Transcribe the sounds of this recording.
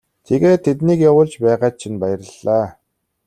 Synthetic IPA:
t̪ʰeɣeːt̪ʰːet̪niːkjawʊːɮt͡ɕpæːʁaːt̪̚t͡ɕʰinpæjə̆rə̆ɮːaː

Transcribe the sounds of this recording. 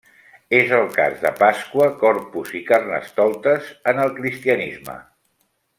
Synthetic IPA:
ezəlˠka̰zðə̰paskwəkɔɾpuzikarnə̰st̪ɔlˠt̪əzənəlˠkɾist̪iənizmə̰

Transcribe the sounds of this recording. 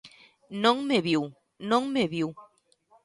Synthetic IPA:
nõŋmeβiw | nõŋmeβiw

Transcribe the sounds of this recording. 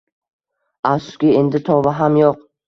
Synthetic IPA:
afskʲɪe̞nd̪ɪt̪ʰɒvaɦamjoq̚

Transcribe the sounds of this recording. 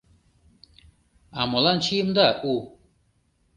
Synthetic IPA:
amolant͡ʃʰijmd̪aʔu

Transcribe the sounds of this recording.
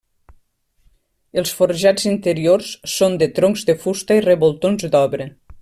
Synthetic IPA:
əlˠsfoɾʒazint̪əɾiorsːond̪ət̪ɾoŋzd̪əfust̪əirəβolˠt̪onzd̪ɔβɾə

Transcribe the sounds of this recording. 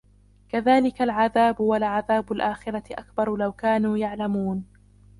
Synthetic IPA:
kaðaːlɪkalʕaðaːbʊwalʕaðaːbʊlʔaːxɪɾat̪ɪʔakbɑɾˤlawkaːnuːjaʕlamuːn

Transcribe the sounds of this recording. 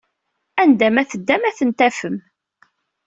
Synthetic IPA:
ænd̪æmæθəd̪ːæmæθənt̪æfəm

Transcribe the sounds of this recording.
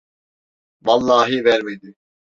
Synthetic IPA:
valˠːaːɦivɛɾmed̪i

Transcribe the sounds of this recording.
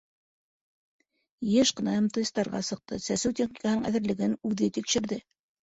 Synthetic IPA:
jeʃqɤ̆nɑjɤmt̪ojɤst̪ɑɾʁɑ̰sɤ̆q̚t̪ɤsæsɘwt̪ʲeχnʲi̥kɑhɤnɤɴʔæðɘ̆ɾlɘ̆ɡɘnʉðɘt̪ikʃɘ̆ɾðɘ

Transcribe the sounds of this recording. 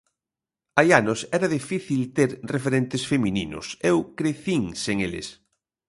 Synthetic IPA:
ajanosɛɾɐðifiθilt̪eɾrefeɾent̪esfeminḭnʊ̰sɛwkɾeθiŋseŋelɪ̰s

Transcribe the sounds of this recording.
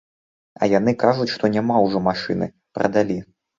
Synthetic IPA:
ɐ̰janɨkaʐut͡sʲʂt̪ɔnʲamawʐɔmaʂɨnɨ̰ | pɾɐ̰d̪alʲi

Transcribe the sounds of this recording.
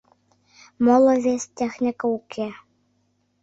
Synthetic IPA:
molˠɤ̆vʲesʲt̪ʲexnʲɪkəukʰe

